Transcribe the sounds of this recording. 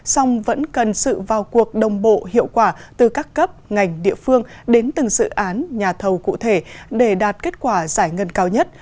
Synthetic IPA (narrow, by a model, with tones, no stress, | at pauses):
sa˧wŋ͡mvə̰˧˥nkə˨˩nsɨ̰˧˨vaː˨˩wku˨˩ək̚ɗə˨˩wŋ͡mɓo̰˧˨hḭ˧˨əwkwaː˧˩t̪ɨ˨˩kaː˦˥kːə˦˥p̚ŋa˨˩jŋ̟ɗḭ˧˨əfɨ˧əŋɗe˨˦nt̪ɨ˨˩ŋsɨ̰˧˨ʔaː˨˦nɲaː˨˩t̪ʰə˨˩wkṵ˧˨t̪ʰe˧˩ɗe˧˩ɗaː˨˩t̚ke˦˥t̚kwaː˧˩zaː˧˩jŋə˧nkaː˧wɲə˦˥t̚